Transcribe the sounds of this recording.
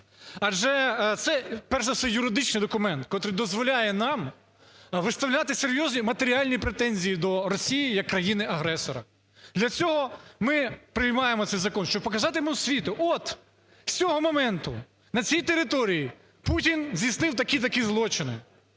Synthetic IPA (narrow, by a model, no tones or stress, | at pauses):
ɐʒɛt̪sɛpɛrʃɛt̪sɛjʊɾɪd̪ɪt͡ʃnɪjd̪ɔkʊmɛnt̪kɔt̪ɾɨd̪ɔzʋɔlʲajɛnɑm | ʋɪst̪ɐʋwlʲat̪ɪseɾʲjɔzʲnʲimɐt̪eɾʲialʲnʲipɾet̪ɛnʲzʲijid̪ɔɾɔsʲijijɐkːɾɐjinɪʔɐɦɾɛsɔɾɐ | d̪lʲɐt͡sʲɔɦɔmɪpɾɪjmɑjemɔt̪sɛjzɐkɔnʃt͡ʃɔb̚pɔkɐzɑt̪ɪmusʲʋʲit̪ʊʔɔt̪ | t͡sʲɔɦɔmɔmɛnt̪ʊ̰ | nɐt͡sʲijt̪eɾɪt̪ɔɾʲiji | putʲinzʲisnɪwt̪ɐkʲit̪ɐkʲizlˠɔt͡ʃɪnɪ̰